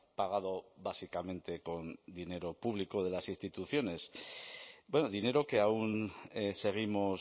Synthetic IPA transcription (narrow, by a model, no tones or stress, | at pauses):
paɣ̞aðo̞βasikamẽ̞nt̪e̞ko̞nd̪ine̞ɾo̞puβ̞likoð̞e̞lasinst̪it̪uθjo̞ne̞s | bwe̞noðine̞ɾo̞ke̞aunse̞ɣ̞imos